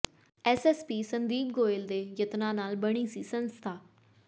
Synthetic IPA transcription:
ɛsɛːspiːsənd̪iːk̚ɡoːɪld̪eːjət̪nãːnaːlbəɽ̃iːsiːsənst̪ʰaː

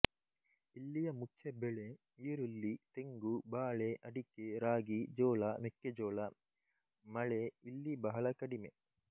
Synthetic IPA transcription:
ilːijɐmukʰjɐbeɭe | iːɾulːit̪eŋɡubaːɭeʔɐɖikeɾaːɡid͡ʒoːɭɐmekːed͡ʒoːlɐ | mɐɭeilːibɐɦɐɭɐkɐɽime

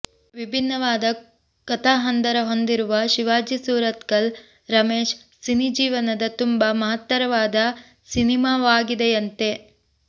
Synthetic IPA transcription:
ʋibʱinːɐʋaːd̪ɐ | kɐt̪ʰaːɦɐnd̪ɐɾɐɦo̞nd̪iɾuʋɐʃiʋaːd͡ʒisuːɾɐt̪kɐl | ɾɐmeːʃ | sinid͡ʒiːʋɐnɐd̪ɐt̪umbɐmɐɦɐt̪ːɐɾɐʋaːd̪ɐ | sinimaːʋaːɡid̪ejɐnt̪e̞

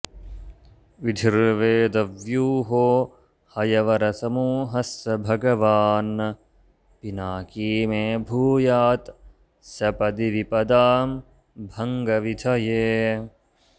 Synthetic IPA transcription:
ʋid̪ʱiɾʋeːd̪ɐʋjuːɦoː | hɐjɐʋɐɾɐsɐmuːɦɐsɐbʱɐɡɐʋaːn | pinaːkiːmẽːbʱuːjaːt̪ | sɐpɐd̪iʋipɐd̪aːm | bʱɐŋɡɐʋid̪ʱʰɐjeː

